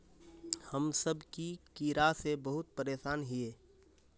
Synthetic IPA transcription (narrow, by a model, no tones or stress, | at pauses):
həmsəbkikiːɾasebəɦʊt̪̚pəɾeːʃaːnɦɪeː